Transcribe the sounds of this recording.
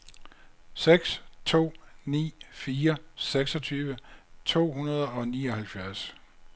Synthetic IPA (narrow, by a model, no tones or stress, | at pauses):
seɡ̥st͡sʰo̝̰ːnḭːfiːɐseɡ̥sɒ̽t͡sʰyːʋət͡sʰo̝̰ːhunɐð̞ˠɒ̽niːɒ̽hælfjæɐs